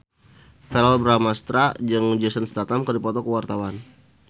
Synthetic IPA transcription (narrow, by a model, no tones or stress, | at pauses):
fɛɾalbɾamast̪ɾad͡ʒɨŋd͡ʒɛsənst̪at̪amkərdipɔt̪ɔkəwart̪awan